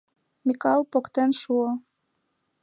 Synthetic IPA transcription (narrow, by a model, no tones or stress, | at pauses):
mʲikɑlˠpokt̪enʃuo